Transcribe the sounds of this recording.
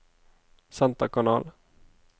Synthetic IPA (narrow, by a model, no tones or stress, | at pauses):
sant̪akʰanɑːl